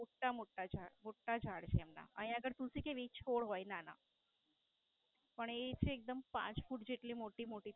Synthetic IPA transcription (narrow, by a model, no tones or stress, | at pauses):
oʈːamoʈːad͡ʒʱamoʈːad͡ʒʱaɽt͡ʃʰeɛmna̰ə̰ɦĩəɡəɾt̪ũsikeʋit͡ɕʰoɽɦojnana̰ | pəɳet͡ʃʰeːk̚d̪əmpã̰t͡ʃfuʈd͡ʑeʈlimoʈiːmoʈiː